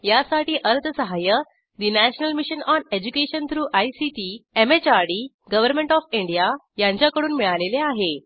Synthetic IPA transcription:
jasaʈiːʔəɾt̪əsəɦajə | d̪inæɕənəlmiɕənɔned͡ʑukeɕənt̪ʰɾuːʔaisiʈiːemet͡ɕaɾɽiː | ɡəʋəɾmẽɳʈɔfiɳɖija | jãɲt͡ɕjakəɽuːnmiɭaleleaɦe

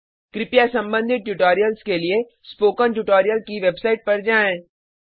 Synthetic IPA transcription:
kɾɪpjasɐ̃mbə̃nd̪ʱɪt̪̚ʈuʈoːɾijəlskelie | spoːkənʈuʈoːɾijəlkiʋebsaːɪʈ̚pɐɾd͡ʒaːẽː

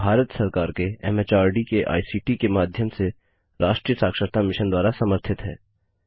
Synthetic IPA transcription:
bʱaːɾət̪sɐɾkaːɾkeɛ̰meːt͡ʃaːɾɖikeʔa̰ːisiːʈikemaːd̪ʱjəmse | ɾaːʃʈɾiːəsaːkʃəɾt̪ʰamɪʃənd̪waːɾasɐməɾt̪ʰɪt̪ɦɛ̰ː

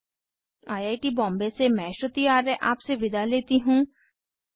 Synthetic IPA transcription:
aːjaːjʈibɔ̃ːmbesemɛ̃ːʃot̪iaːɾeʔaːpseʋɪd̪ʱaleːt̪iɦũː

